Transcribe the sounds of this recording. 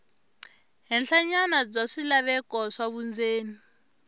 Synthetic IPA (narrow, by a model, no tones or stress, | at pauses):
ɦɛnɬaɲanad͡zaʂilaβɛk̬ʼɔʂaβund͡zʱeːni